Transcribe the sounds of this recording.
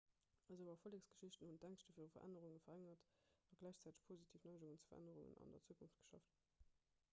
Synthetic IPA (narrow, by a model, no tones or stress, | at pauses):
əzəʊvɐfoleksɡ̥ə̥ʃiɕtən̩hunt̚d̥æŋʃtəfiːʁufɐ̰ʔæ̰nəʁuŋəfɐʁæŋɐtɑɡlæɪɕt͡sæːtə̥ʃpʰozitʰiːfnɑɪʒʊŋənt͡sfɐ̰ʁʔæ̰nəʁuŋə̰nɑ̰ndɐ̰t͡suəkʰunft̚ɡ̥ə̥ʃɑ̰ft